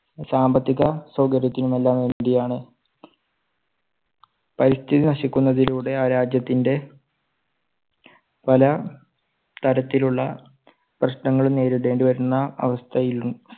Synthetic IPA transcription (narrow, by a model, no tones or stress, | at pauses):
saːmbɐt̪ːiɣɐsɐwɡɐɾjɐt̪ːinume̞lːaːmʋe̞ːɳɖijaːɳɨ | pɐɾist̪ʰiðinɐɕikʲːunːɐðiluːɽe̞aːɾaːd͡ʑjɐt̪ːinde̞ | pɐlɐ | t̪ɐɾɐt̪ːiluɭːɐ | prɐɕnɐŋːɐɭumne̞ːɾuɽe̞ːɳɖiʋɐɾunːɐɐ̰ʋɐst̪ʰɐjilu